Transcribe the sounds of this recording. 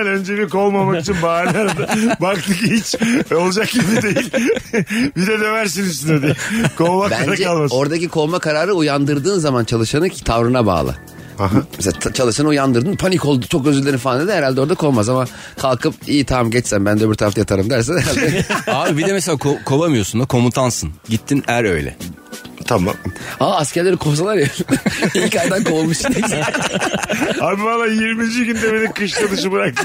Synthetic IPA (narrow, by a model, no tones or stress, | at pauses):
nønd͡ʒebiko̞lˠmamakit͡ʃʰinbaɾnaɾd̪bakt̪ʰɯkihit͡ʃvɛo̞lˠd͡ʒakjiid̪ejilʲ | bid̪ɛd̪øvæɾs̬inyst̪ined̪ekolˠmakæaɾnɾaɾd͡ʒɛkalˠmaso̞ɾd̪acikʰo̞lˠmakʰaɾaːɾɯujand̪ɯɾd̪ɯːnzamant͡ʃʰalˠɯʃanɯcʰi̥t̪ʰavɾɯnaba̰ːlˠɯ̰ | mmeseat͡ʃʰalˠɯʃanɯujand̪ɯɾd̪ɯnpʰaniko̞lˠd̪u̥t͡ʃʰo̞k̚øzylʲːeɾifaaned̪ihɛɾalʲd̪ɛo̞ɾd̪akʰo̞lˠmazama | kʰalˠkʰɯpijit̪ʰamɟɛt͡ʃsænbænd̪ɛbiɾt̪ʰaɾaft̪ajat̪ʰaɾɯmd̪æɾs̬ɛnhɛɾalʲd̪ɛabibid̪ɛmɛselʲaːkʰokʰo̞bamɯjo̞sund̪akʰo̞mut̪ʰansɯnɟit̪ʰːinæɾø̞̰jlʲɛ̰ | t̪ʰama̰maːascæɾlʲe̞ɾikʰofsalˠaɾeilʲcajd̪ankʰolˠmuʃniz | abivalˠaːjiɾmid͡ʒiɟynd̪ɛbenikɯʃlad̪ɯʃ̬ɯbɯɾak̚t̪